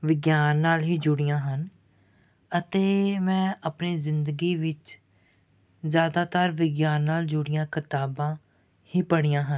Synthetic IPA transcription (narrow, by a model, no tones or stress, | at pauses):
ʋɪɡjaːnːaːlɦiːd͡ʒʊɽɪjãːɦən | ət̪eːmɛ̃ːəpniːzɪnd̪əɡiːʋɪt͡ʃ | zjaːd̪aːt̪əɾʋɪɡjaːnːaːld͡ʒʊɽɪjãːkɪt̪aːbãː | hiːpəɽ̃ijãːɦən